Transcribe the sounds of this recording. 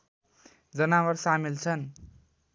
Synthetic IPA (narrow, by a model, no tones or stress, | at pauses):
d͡zʌnawʌrsamilt͡sʰʌn